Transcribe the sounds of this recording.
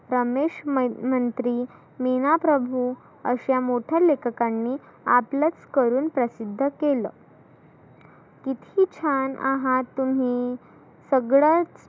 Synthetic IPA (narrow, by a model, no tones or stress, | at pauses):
ɾəmeɕmənt̪ɾiː | minapɾəbʱu | ə̰ɕjamoʈʰjalekʰkanːiː | aplət͡skəɾuːnpɾəsid̪ʱːəkelə | kit̪ʰit͡ɕʰana̰ɦat̪um̤i | səɡɭat͡s